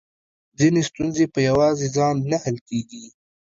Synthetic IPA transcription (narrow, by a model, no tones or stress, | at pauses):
zɪnest̪unzepɐjɐwaːzizaːnːɐhɐlkeːɡiː